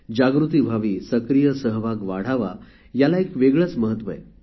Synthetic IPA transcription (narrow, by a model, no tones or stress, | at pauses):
d͡ʑaɡɾut̪̬iːbʱaʋiːsəkɾijəsəɦʋaɡʋaɽ̤aʋa̰ | jalaekʋeɡɭət͡sməɦət̪ʋəḛ